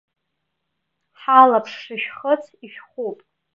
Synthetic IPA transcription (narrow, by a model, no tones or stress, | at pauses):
ħalapʰʂʂɨʃᶣχət͡sʰiʃᶣχupʼ